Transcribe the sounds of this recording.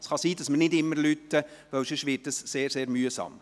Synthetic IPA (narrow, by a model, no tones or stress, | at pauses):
sχɑsiːd̥ɑsməɾnɪdɪmːəɾlyt̪ːəʋœwsɪʃʋɪːɾtəsːeːɾseːɾmyːəsɑ̰m